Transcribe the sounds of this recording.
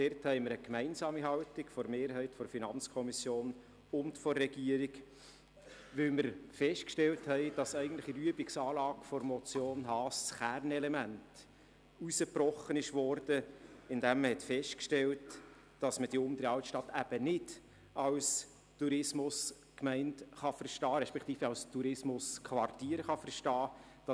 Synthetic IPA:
d̥ɛrthɛɪməɾəkmæɪnsɑːmiɦɑwtɪkfɔɾmeːɾɦɛɪtfɔɾfinɑnt͡skʰɔmisjoːn | ʊntfɔrːɛɡ̥iəɾik | ʋɪwməɾfɛʃt̚kʃtɛlthɛɪd̥ɑsæɪɡn̩tləχiɾyəbɪksɑːlɑːɡ̥fɔɾmɔt͡sjoːnɦɑːst͡sχærnɛlɛmænt | usəprɔχənɪʃʋɔrd̥əɪndæmːəhɛtfɛʃtkʃtɛlt | d̥ɑsməd̥iʊmd̪əɾɑwtʃtɑtæb̥ənɪd̥ | ɑws | tuɾɪsmʊs | kmɛɪntχɑfərʃtɑːɾɛʃpɛkʰt̪iːfɛɑwstuɾɪsmʊskʰʋɑrtiːɾχɑfərʃtɑːd̥ɑ

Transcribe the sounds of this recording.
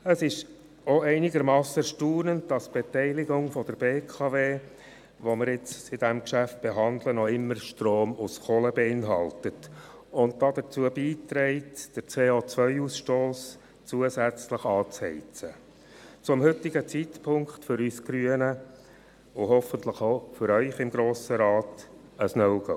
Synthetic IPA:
əsɪʃ | ɔɛɪnɪɡəɾmɑːsəʃtuːnənd̚d̥ɑsb̥etɛɪlɪɡʊŋfɔd̥əɾb̥eːkʰɑveː | ʋɔmɪɾɪt͡ssɪd̥ɛmkʃæft̚b̥eɦɑnd̪lənɔɪmːəɾʃtroːmusχɔːləbeɪnɦɑltətʊntd̥ɑd̪ət͡suəbiːtɾɛɪtd̥əɾt͡seːot͡sʋœʏusʃtoːs | t͡suəsæt͡sləχɑːt͡shɛɪt͡sə | t͡sʊmhʏtɪɡət͡sitpʰʊŋkχtfʏɾysɡ̥ɾyənə | ʊɦɔfənt̪ləχofʏɾœʏχɪmɡɾoːsəɾɑːt | əsnœʊɡ̥o

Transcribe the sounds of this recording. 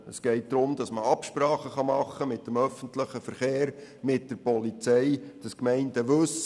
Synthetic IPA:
əsɡ̥ɛɪt̚d̥̪ɾʊmdɑsməɑpʃpɾɑːχəχɑmɑχːəmɪtːəmœfəntləχəfəɾχeːɾmɪt̚d̥əɾpɔlit͡sɛɪd̥ɑskmɛɪndəʋɵs

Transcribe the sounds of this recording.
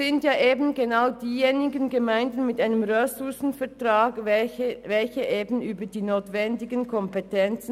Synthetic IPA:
ɪntjaːʔeːbn̩ɡenaʊd̥iːjeːnɪɡənɡəmaɪndn̩mɪtʔaɪnəmʁøsʊsn̩fɛɐtʁaːɡ | vɛlçəʔeːbn̩ʔyːbədiːnoːtv̥ɛndɪɡənkʰɔmpɛtʰɛnt͡sn

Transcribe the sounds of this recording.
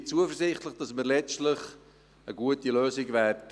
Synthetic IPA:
t͡suəfərsɪχtləχd̥ɑsməɾlɛt͡stləχ | əɡuətiløːsɪɡvæːdt

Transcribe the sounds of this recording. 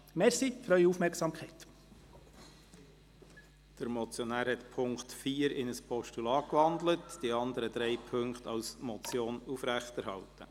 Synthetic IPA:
mɛɾsifɾœʏiufmɛɾksɑːmkχɛɪt̪ | d̥əɾmɔt͡sjɔnæːɾhɛtpʰʊŋktfiːəɾɪnəspʰɔʃtulɑːkʋɑndlətd̥iɑnd̪əɾəd̪ɾɛɪpʰɵŋktɑlsmɔt͡sjoːnufɾæχtɛɾhɑ̰ltə

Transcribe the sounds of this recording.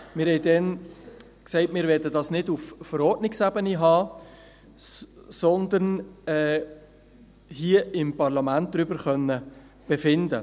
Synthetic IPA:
mɪɾhɛɪdɛn | ksɛɪtmɪːɾvɛːɐdədɑsnɪdufːəɾɔɾtnɪksæbəniɦɑː | sɔnd̪əɾnɛː | hiəɪmpɑʁlɑmænt̚d̥̪ɾʏbəɾχœnːə | b̥efɪndə

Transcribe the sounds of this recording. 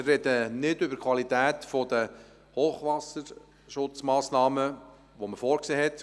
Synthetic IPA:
ɪrɛd̪ənɪdʏbəɾkʰʋɑlit̪æːt̪fɔd̪ə | hoːχʋɑsəɾ | ʃʊt͡smɑːsnɑːmə | ʋoməfɔːɾkseːɦɛt̪

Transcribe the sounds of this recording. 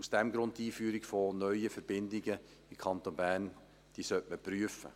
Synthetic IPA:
usd̥ɛmɡɾʊnt̚tiːfyːɾɪɡfonœʏəfɛɾb̥ɪndɪɡə | ɪmkʰɑnt̪onbæːn | d̥iːsœtməpɾyəfə̰

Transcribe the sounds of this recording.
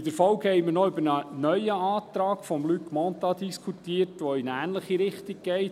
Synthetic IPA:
dəɾfɔwkhɛɪməɾnɔʏbəɾnənœʏəɑːt̪ɾɑːɡfɔmlykmɔnt̪ɑd̪iskʰutiːətʋoɪnæːnləχiɾɪχtiɡ̚ɡɛɪ

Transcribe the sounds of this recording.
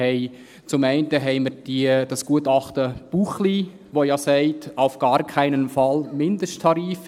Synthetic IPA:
ɛɪ | t͡sʊmɛɪntəɦɛɪməɾd̥idɑsɡ̥uətɑχtəb̥uχli | ʋojɑsɛɪtaʊfɡ̥ɑːɾkʰaɪnənfɑlmɪndəsttʰɑɾiːf

